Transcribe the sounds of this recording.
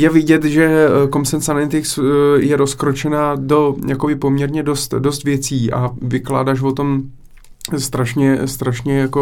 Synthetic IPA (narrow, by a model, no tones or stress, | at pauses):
jɛvɪɟɛt̪ʒɛkomsɛnsanɛnt̪ɪksjɛɾo̞skɾo̞t͡ʃɛnaːdo̞jako̞bɪpo̞mɲɛɾɲɛdo̞st̪do̞st̪vjɛt͡siːʔa̰vɪkla̰ːdaːʃvo̞t̪o̞m | st̪ɾaʃɲɛst̪ɾaʃɲɛjako